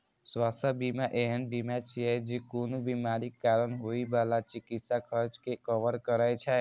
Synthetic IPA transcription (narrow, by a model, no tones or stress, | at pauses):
swast̪ʰəbimaʔeɦənbimat͡ʃiɛd͡ʒekonobimaɾikaːɾənɦoibalat͡ʃikit̪sakʰəɾt͡ʃkekəʋəɾkəɾajt͡ʃʰɛ